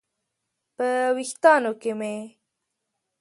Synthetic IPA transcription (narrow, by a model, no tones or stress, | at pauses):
pəwixt̪ɑnokeme